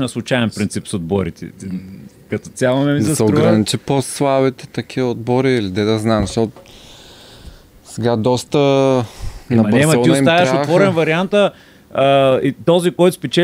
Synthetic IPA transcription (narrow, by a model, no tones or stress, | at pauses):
nɐslˠʊt͡ʃajɛnpɾint̪sipsod̪̚bɔɾit̪ʰɛ̰t̪i | kɐt̪o̥t̪ʲalˠɐmɛmizɛsɛoɾɡɾɾɐnit͡ʃiposlˠabit̪ɛ̥t̪ɐkʰiod̪̚bɔɾiːlid̪ɛd̪ɐznamzɐʃt̪ɔt̪ | sɛɡad̪ɔst̪ə | nnɐmɐnɛmɐɔiʊit̪avɐɾʃaovɔɾɛnvɐɾiant̪ə | it̪ɔzikɔjt̪ʊ̥spɛt͡ʃɛ